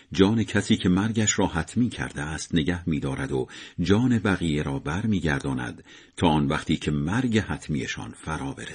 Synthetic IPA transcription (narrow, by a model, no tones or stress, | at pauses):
d͡ʒɒːne̞cʰæsiːcʰe̞mæɾɟæʃɾɒːɦæt̪ʰmiːcʰæ̰ɾd̪eæːst̪ne̞ɡæhmiːd̪ɒːɾæd̪od͡ʒɒːne̞bæɣiːje̞ɾɒːbæɾmiːɟæɾd̪ɒːnæ̰d̪̥ | t̪ʰɒːɒːnvæχt̪ʰiːcʰe̞mæɾɟe̞hæt̪ʰmije̞̰ʃɒ̰ːnfæɾɒːbe̞ɾe